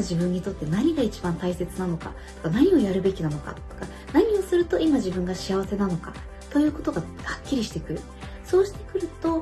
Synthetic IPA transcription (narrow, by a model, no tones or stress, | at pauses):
aʑibɯ̟̃ɲ̟ːit̪o̞t̪ːe̞naɲ̟iɡait͡ɕi̥bãnt̪aise̞t͡sɨnano̞ka̰ | t̪o̞kanaɲ̟io̞jaɾɯ̟be̞kʲinanoka̰t̪ːo̞̥ka | naɲ̟io̞sɨɾɯ̟t̪o̞ʔimaʑibɯ̟̃ŋɡaɕiaβ̞ase̞nano̞ka | t̪o̞jɯ̟ːko̞t̪o̞ɡahakʲːiɾʲiɕi̥t̪e̞kɯ̟ɾɯ̟ | so̞ːɕi̥t̪e̞kɯ̟ɾɯ̟t̪o̞